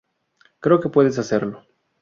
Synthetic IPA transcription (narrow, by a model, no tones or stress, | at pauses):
kɾe̞oke̞pwe̞ðes̬ase̞ɾlo̞